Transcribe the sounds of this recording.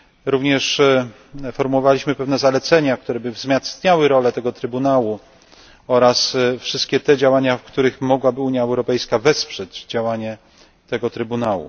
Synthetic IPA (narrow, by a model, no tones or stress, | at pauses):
ɾuvɲɛʂ | fɔɾmuwɔvalʲiɕmɘpɛvnɛzalɛt̪sɛɲak̚t̪uɾɛbɘvzmʲjast̪ɲawɘɾɔlɛt̪ɛɡɔt̪ɾɘbunawu | ɔɾasfʂɘst̪̚kʲɛt̪ɛd͡ʑawaɲafkt̪uɾɘxmɔɡwabɘuɲjaɛwɾɔpɛjskavɛspʂɛd͡ʑd͡ʑawaɲɛ | t̪ɛɡɔt̪ɾɘbunawṵ